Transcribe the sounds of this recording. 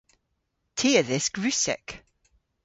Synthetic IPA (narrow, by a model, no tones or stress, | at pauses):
tʰiːəðɪsɡ̥ɹʉsɛ̰k